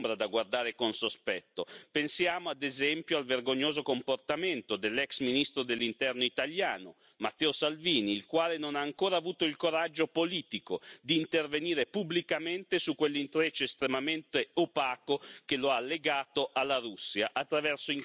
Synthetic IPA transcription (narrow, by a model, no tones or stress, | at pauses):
mbɾad̪aɡward̪aːɾekonsospɛt̪ːopensjaːmoad̪ezɛmpjoalverɡoɲːoːzokomport̪ament̪od̪elːɛksminist̪ɾod̪elːint̪ɛrnoit̪aljaːno | mat̪ːɛːosalviːniːlkwaːlenonaːŋkoːɾaːvuːt̪oilkoɾad͡ʒːopoliːt̪ikod̪iːnt̪erveniːɾepublikament̪esukːwelːint̪ɾet͡ʃoest̪ɾemament̪eopaːkokeloalːeɡaːt̪oʔalːaɾusːjaʔat̪ːɾavɛrsoiŋ